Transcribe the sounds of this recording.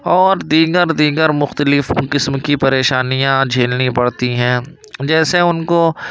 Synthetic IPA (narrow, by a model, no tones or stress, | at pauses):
ɔːɾd̪iːɡəɾd̪iːɡəɾmʊxt̪əlɪfqɪsmkipɐɾeːʃaːnijãd͡ʒʱeːlnipɐɽt̪iɦɛ̃ː | d͡ʒɛːseʊnko